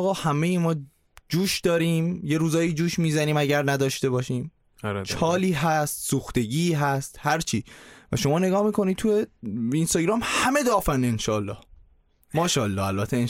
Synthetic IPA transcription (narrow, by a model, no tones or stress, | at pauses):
ɣɒːhæmejimɒː | d͡ʒuːʃd̪̥ɒːɾiːmje̞ɾuːzɒːjid͡ʒuːʃmiːzæniːmæɟæɾnæd̪ɒːʃt̪e̞βbɒːʃiːm | t͡ʃʰɒːliːɦæst̪suːxt̪e̞ɟiːɦæst̪hæɾt͡ʃʰiːvæ̰ʃo̞mɒːne̞ɡɒːhmiːkʰo̞nid̪̚tʰujeinst̪ɒːɟɾɒːmhæme̞d̪ɒːfænenʃɒːlːɒ̰ːh | mɒːʃɒːlːɒːælbæt̪ʰeen